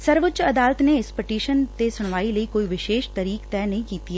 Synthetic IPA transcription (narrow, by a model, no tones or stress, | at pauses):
səɾʋʊtt͡ʃɐd̪aːlət̪neɪspɪʈiːʃənt̪esʊɽ̃ʋaːiləikoːiʋɪʃeːʃt̪əɾiːkt̪ɛːnɐɦĩkiːt̪iɛ